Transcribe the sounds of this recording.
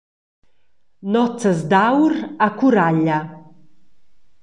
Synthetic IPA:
nɔt͡səzd̪awɾakuɾaʎa

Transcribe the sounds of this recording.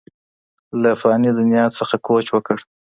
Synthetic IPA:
lafɑnid̪ʊnjɑt͡səxakʰot͡ʃwəkəɽ

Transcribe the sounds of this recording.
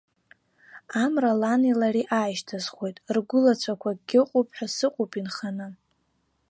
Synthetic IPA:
amralanilariʔaːjʃtʰazχʷo̞jtʼrɡʷʊlat͡ɕʷʰakʷʰaɡʲɪqʼʊpʰʼħʷᶣasɨqʷʼʊpʼinχanɨ

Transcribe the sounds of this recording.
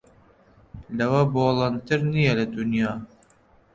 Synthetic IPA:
lɐwɐboːlˠɑnt̪ɨɾnijɛlɐd̪unjɑː

